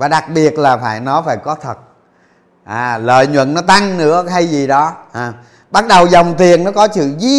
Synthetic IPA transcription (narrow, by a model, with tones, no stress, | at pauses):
vaː˨˩ɗa˨˩k̚ɓi˨˩ət̚laː˨˩faː˧˩jnɔ˨˦faː˧˩jkɔ˨˦t̪ʰə˨˩t̚ | ʔaː˨˩lə̰ː˧˨jɲwə̰˧˨nnɔ˨˦t̪a˧ŋnɨ̰˧˥əha˧jzi˨˩ɗɔ˨˦ʔaː˨˩ | ɓa˦˥t̚ɗə˨˩wzə˨˩wŋ͡mt̪i˨˩ənːɔ˨˦kɔ˨˦sɨ̰˧˨zi˧